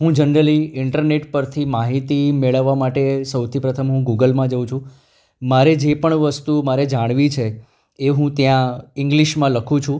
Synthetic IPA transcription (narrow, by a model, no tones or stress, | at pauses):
ɦũd͡ʒənɾəliɪɳʈəɾneʈpəɾt̪ʰimaɦit̪imeɭəʋːamaʈesəwt̪ʰipɾət̪ʰəmɦũɡuɡəlmãd͡ʒəũt͡ʃʰũ | maɾed͡ʒepəɳʋəst̪umaɾed͡ʒaɽ̃ʋit͡ʃʰeː | ɦũt̪jãɪŋɡliʃmãləkʰũt͡ʃʰũ